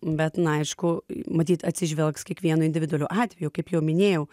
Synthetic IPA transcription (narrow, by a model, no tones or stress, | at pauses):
bʲɛt̪nʊɐɪʃkʊmɐt̪ʲiːt̪ɐt̪ʲsʲɪʒʲʋʲɛlˠkskʲiɛkʋʲiɛnʊɪnʲd̪ʲɪʋʲɪd̪ʊoɐlʲuːʔɑːt̪ʲʋʲɛjʊkɐɪpjɛʊmʲɪnʲeːjɛʊ